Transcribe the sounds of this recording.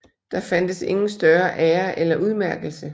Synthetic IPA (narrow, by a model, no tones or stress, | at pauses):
d̥ɑ̈fæn̰d̥əse̝ŋn̩sd̥ɶɐʔæːɐʔelɐʔuð̞ˠmæɐɡ̥l̩sə